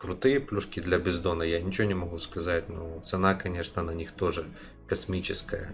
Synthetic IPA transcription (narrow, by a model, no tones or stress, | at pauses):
kɾʊt̪ɨjəplʲuʂkʲɪd̪lʲɐbʲɪzd̪onɐjanʲɪt͡ɕɪonʲɪmɐɣuskɐzatʲnot̪sɨnakɐnʲeʂnənɐnʲixt̪o̞ʐɨ | kɐsmʲit͡ɕɪskəjə̰